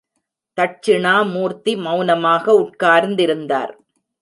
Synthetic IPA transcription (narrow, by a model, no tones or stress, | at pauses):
t̪ɐʈ̚t͡ʃɪɳaːmuːɾt̪imɐʊnɐmaːɣɐʊʈ̚kaːɾnd̪ɪɾɯnd̪a̰ːɾ